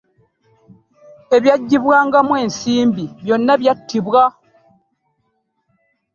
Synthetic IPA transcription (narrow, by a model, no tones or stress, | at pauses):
e̞βjaɟːiβwaːŋɡamwe̞ːnsiːmbiβjo̞nːaβjatʰːiβwa